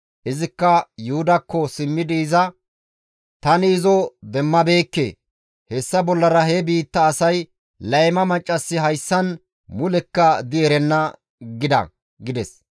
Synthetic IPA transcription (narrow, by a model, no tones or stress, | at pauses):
ʔɪzɪkːɐjʊhʊd̪ɐkːɔsɪmːɪd̪iːzɐ | t̪ɐnɪːzɔd̪ɛmːɐbe̞ːkːḛː | hɛsːɐbɔlːɐɾɐɦɛbiːt̪ːɐːsɐj | lɐjmɐmɐt͡ʃʼːɐsːɪɦɐjsːɐn | mʊlɛkːɐd̪ɪɛɾɛnːɐ | ɡɪd̪ɐ̰ | ɡɪd̪ɛs